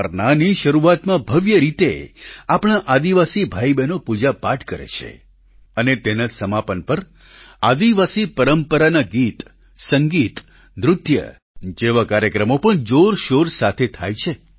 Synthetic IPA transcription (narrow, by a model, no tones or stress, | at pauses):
əɾnaniʃəɾuat̪mãbʱəʋjəɾit̪eapɽ̃aʔad̪iʋasibʱaibɛnopud͡ʒapaʈʰkəɾḛt͡ʃʰḛ | ənet̪enasəmapənpəɾ | ad̪iʋasipəɾəmpəɾanaɡit̪ | səŋɡit̪ | nɾʊd̪ʱjə̰ | d͡ʒeʋakaɾjəkɾəmopəɳd͡ʒoɾʃoɾsat̪ʰet̪ʰajt͡ʃʰe